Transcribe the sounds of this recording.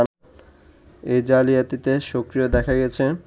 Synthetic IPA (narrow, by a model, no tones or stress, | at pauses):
ejd͡ʑalijat̪it̪eʃokɾiod̪ɛkʰaɡɛt͡ɕʰe